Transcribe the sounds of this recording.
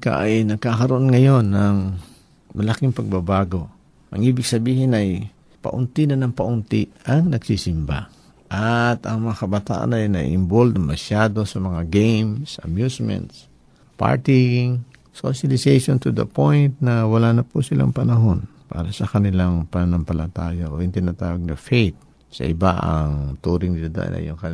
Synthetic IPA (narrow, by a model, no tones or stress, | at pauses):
ka̰ʔajnɐɡ̚kakɐɾoʔo̞nŋɐjo̞nːɐŋ | mɐlakɪŋpɐɡ̚babaːɡo̞ | ʔɐ̰ŋʔiːbɪɡ̥̚sɐbiːhɪnɐj | pɐ̰ʔʊnt̪inɐnɐŋpɐʔʊnt̪iʔɐŋnɐɡ̥sisɪmba̰ | ʔat̪ɐŋmɐŋakɐbɐt̪a̰ːʔa̰nɐjnɐ̰ʔɪ̰mbold̪ɐŋmɐʃjaːd̪o̞sɐmɐŋaɡɛjmsʔɐ̰mjusmɛ̰nt̪s | pa̰ɹt̪iŋ | so̰ʃɐlɪsɛjʃont̪ud̪ɐ̰pojnt̪̚nɐwɐlaːnɐpusɪla̰ŋpɐnɐɦo̞npa̰ːɾɐsɐkɐnɪlaŋpɐnɐnɐmpɐlɐt̪aːjaʔoʔɪnt̪ɪnat̪aːwɐɡ̚nɐfejt̪̚ | sɐ̰ʔɪbaʔɐ̰ŋt̪uːɾɪŋnɪlad̪ɐ̰ʔa̰nʔɐ̰jʊŋkɐ